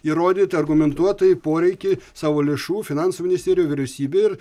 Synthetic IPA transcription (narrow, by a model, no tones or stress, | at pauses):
iːɾoːd̪ʲiːt̪ʲɐɾɡʊmʲɛnt̪uɔt̪ɐjpoːɾʲɛɪkʲeɪsɑːʋoːlʲeʃuːfʲɪnɑˑnsuːmʲɪnɪsʲt̪ʲeːɾʲɪjoːʋʲɪɾʲɛʊsʲiːbʲeːɪɾ